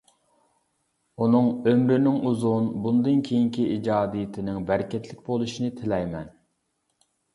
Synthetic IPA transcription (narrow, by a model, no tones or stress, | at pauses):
unɨŋømɾɪnɪŋuzunbund̪ɨnkʲʰejiŋkʲʰiʔid͡ʒɑːd̪ijɪt̪ʰɪnɪŋbæɾɪkʲɛt̪lɪk̚ʲbolˠuʃinɪt̪ʰɪlɛjmɛn